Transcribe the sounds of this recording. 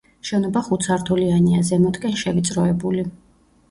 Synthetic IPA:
ʃɛnɔbaχut̪sʰaɾt̪ʰulianiazɛmɔt̪ʼkʼɛnʃɛvit̪sʼɾɔɛbuli

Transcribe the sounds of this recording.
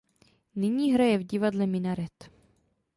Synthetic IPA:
nɪɲiːɦɾajɛvɟɪvadlɛmɪnaɾɛt̪

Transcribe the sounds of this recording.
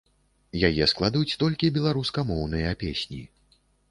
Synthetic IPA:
jajɛsklˠad̪ɐjut͡sʲt̪ɔlʲkʲibʲɛlˠaɾuskɐmɔwn̪ɨjɐpʲesʲnʲḭ

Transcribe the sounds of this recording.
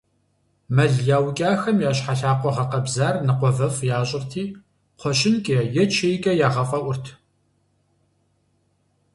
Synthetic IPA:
mɐɮjaːwkʲʼaːxɐmjaːɕħaɬaːqʷɔʁɐqɐbzaːrnɨqʷɔvɐfjaːɕʼɪrtʰiː | qʷʰɔɕɪnkʲʼɐjɛt͡ʃʰeːjɡʼɐjaːʁɐfʼɐʔʷʊrtʰ

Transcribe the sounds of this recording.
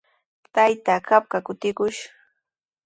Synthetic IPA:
t̪ajt̪akap̚kakʊt̪ɪkʊʃ

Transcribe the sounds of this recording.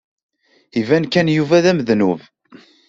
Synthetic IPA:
ivænkænjuvæðæməðnuv

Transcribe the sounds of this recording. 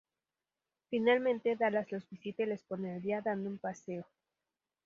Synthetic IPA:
finalmẽnt̪e̞ðalazlo̞zbisit̪elesponeld̪iaðand̪oumpase̞o

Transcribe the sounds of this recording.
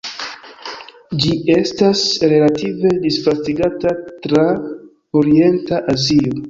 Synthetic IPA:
d͡ʒie̞stasɾe̞lative̞disfastiɡatatɾa | oɾie̞ntaʔazio

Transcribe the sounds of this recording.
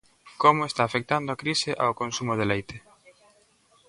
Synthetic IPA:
komʊest̪aːfek̚t̪and̪oakɾisɪʔa̰okonsumoðelejt̪e

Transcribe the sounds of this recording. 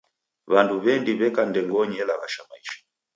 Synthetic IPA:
βanduβɛndiβɛkandɛŋɡɔɲɛlaɣaʃamaiʃḁ

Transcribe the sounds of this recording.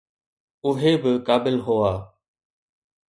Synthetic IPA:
ʊɦeːbɪkaːbɪlɦʊːaː

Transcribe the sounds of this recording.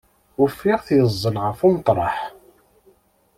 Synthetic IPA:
ʊɾfːiʁθjəzˤːəlʁəfumt̪ˤɾˤɑ̰ħ

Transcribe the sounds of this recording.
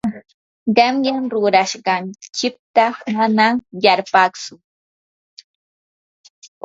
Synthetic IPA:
ɢemɢɪŋɾʊɾaʃɢɑnt͡ʃɪk̚t̪amanaŋjaɾpaksʊ

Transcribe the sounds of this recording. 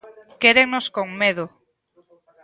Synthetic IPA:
keɾeŋnoskoŋmeðo

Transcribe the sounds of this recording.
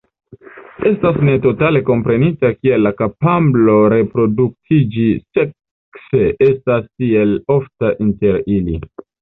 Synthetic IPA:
e̞stasne̞to̞tale̞ko̞mpɾe̞nitakie̞lːakapamblo̞ɾe̞pɾo̞duk̚tʰid͡ʒisek | se̞ʔe̞staskie̞loftaʔinte̞ɾili

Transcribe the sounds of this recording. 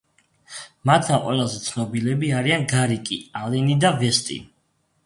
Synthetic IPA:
mat̪ʰd̪amqʼwɛlˠazɛt̪sʰnɔbilɛbiaɾianɡaɾikʼḭalɛnid̪avɛst̪ʼḭ

